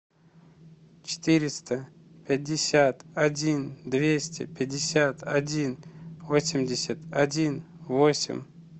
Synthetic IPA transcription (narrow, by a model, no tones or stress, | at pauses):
t͡ɕɪ̥t̪ɨɾʲɪst̪ə | pʲɪt̚ʲːɪsʲat̪ɐdʲind̪vʲesʲtʲɪ̰pʲɪdʲɪsʲat̪ɐdʲinvo̞sʲɪmdʲɪsʲət̪ɐdʲin | vosʲɪ̰m